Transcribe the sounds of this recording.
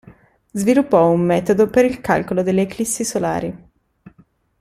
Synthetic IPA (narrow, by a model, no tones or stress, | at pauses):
zvilupːɔumːɛːt̪od̪opeɾilka̰lkolod̪elːeklisːisola̰ːɾi